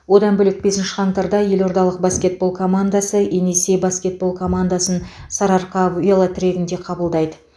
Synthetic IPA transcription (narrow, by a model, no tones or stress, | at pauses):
wo̞d̪ɑnbɵlɪk̚be̞sɪnʃɪ̥χɑɴt̪ɑɾd̪ɑje̞lo̞ɾd̪ɑlˠəq̚baskʲe̞t̪̚bo̞lˠkʰo̞mand̪asəʔenese̞baskʲe̞t̪̚bo̞lˠkʰo̞mand̪asənsɑɾɑɾqɑvʲelˠət̪ʰʲɪɾʲe̞ɡʲɪnd̪e̞qʰɑbəlˠd̪ɑjd̪ə